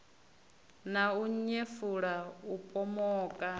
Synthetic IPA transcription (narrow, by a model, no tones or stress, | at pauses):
nauɲefuɺaupʼɔmɔːkʼa